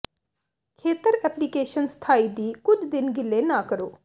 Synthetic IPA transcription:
kʰeːt̪əɾɛːplikeːʃənst̪ʰaːiːd̪iːkʊd͡ʒd̪ɪnɡɪlːeːnaːkəɾoː

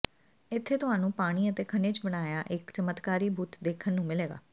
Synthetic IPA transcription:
ɪt̪ʰːeːt̪ʊɦaːnũːpaːɽ̃iːət̪eːkʰəneːt͡ʃbəɽ̃aːjaːʔɪkt͡ʃəmət̪kaːɾiːbʱuːt̪d̪eːkʰənːũːmɪleːɡa̰ː

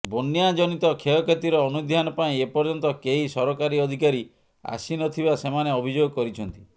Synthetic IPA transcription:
bonːijad͡ʒɔnit̪ɔkʰeɔkʰet̪iɾɔːnud̪ʱjanɔpaĩepɔɾd͡ʒɔnt̪ɔkeɦisɔɾɔkaɾiɔd̪ʱikaɾi | a̰sinɔt̪ʰibasemaneɔbʱid͡ʒoɡɔkɔɾit͡ʃʰɔnt̪i

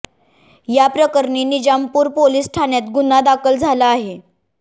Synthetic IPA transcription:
japɾəkəɾɳiːnid͡ʑampuːɾpoliːsʈʰanjat̪ɡunad̪akʰəld͡zʱalaːɦe

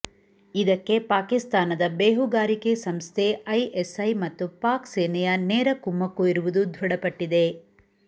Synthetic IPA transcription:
id̪ɐkːe̞paːkist̪aːnɐd̪ɐbeːɦuɡaːɾikesɐmst̪ʰeɐjʔesɐjmɐt̪ːupaːkseːnɛjɐneːɾɐkumːɐkːuiɾuʋud̪ud̪ʱʋuɽɐpɐʈːid̪e̞

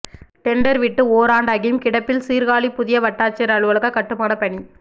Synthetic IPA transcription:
ʈɛɳɖɐɾʋɪʈːɯoːɾaːɳɖɐɣɪmkɪɽɐpːɪlsiːɾɣaːɭipʊðɪjɐʋɐʈːaːt͡ʃːɐɐɾɐɭɯʋɐɭɐɣɐkɐʈːɯmaːnɐpɐɳi

